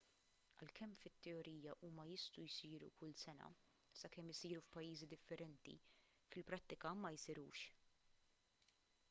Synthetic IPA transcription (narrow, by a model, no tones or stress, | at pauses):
ɐ̰lkɛmːfɪt̪ːɛɔɾiːjɐʔuːmɐjɪst̪ujsiːɾṵkʊlsɛnɐ̰ | sɐkɛmɪsiːɾufpɐjːiːzid̪ɪfːɛɾɛnt̪ḭ | fɪlpɾɐt̪ːɪkɐmɐjsɪɾṵːʃ